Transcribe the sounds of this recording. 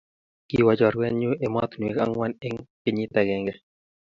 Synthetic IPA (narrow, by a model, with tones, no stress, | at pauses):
kiwa˨d͡ʒɔ˨ɾwɛ˦nɲu˦ʔe˨mɔ˦t̪n˨e˨ka˦ŋwa˦nɪ˦ŋkɪ˨ɲi˦t̪ɛ˨ɡɛ˨ŋɡɛ